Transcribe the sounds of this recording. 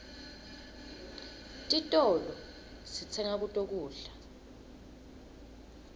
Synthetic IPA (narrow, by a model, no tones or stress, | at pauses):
tʼitʼɔlɔ | sit͡sʰɛŋak̬utʼok̬ʼuːɮa